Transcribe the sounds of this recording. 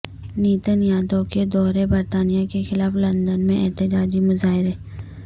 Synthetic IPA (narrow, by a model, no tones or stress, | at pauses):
niːt̪ənjaːd̪õked̪ɔːɾebɐɾt̪aːnijakexɪlaːflɐ̃nd̪ənmẽʔɛɦt̪ɪd͡ʒaːd͡ʒimʊzaːɦɪɾɛː